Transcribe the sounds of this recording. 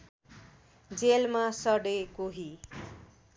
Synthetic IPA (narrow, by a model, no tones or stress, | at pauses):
d͡zelmasʌɽekoɦi